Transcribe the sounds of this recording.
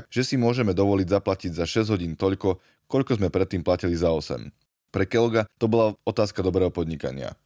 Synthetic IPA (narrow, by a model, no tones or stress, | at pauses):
kʒ̥ɛsimʊɔʒɛmɛd̪ɔʋɔliɟzaplaciɟzaʃɛzɟɦɔɟiːnt̪ɔʎkɔ | kɔʎkɔzmɛpɾɛt̪ːiːmplacilizaɔsɛ̰m | pɾɛkɛlɡat̪ɔbɔlaɔt̪aːskad̪ɔbɾɛːɦɔpɔd̪ɲika̰ɲɪa̰